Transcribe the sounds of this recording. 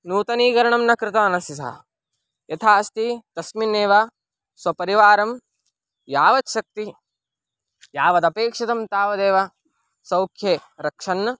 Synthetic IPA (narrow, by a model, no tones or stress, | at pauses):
nuːt̪ɐniːɡɐɾɐɳɐmnɐkɾɪt̪aːnɐsis̬a̰ː | jɐt̪ʰaːɐst̪it̪ɐsmineːʋɐ | sʋɐpɐɾiʋaːɾɐm | jaːʋɐt̪ʃɐk̚t̪i | jaːʋɐd̪ɐpeːkʂɐt̪ɐmt̪aːʋɐd̪eːʋɐ | sɐwkʰjeɾɐkʂɐnːɐ